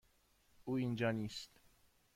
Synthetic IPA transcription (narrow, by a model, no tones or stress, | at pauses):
ʔuːind͡ʒɒːniːst̪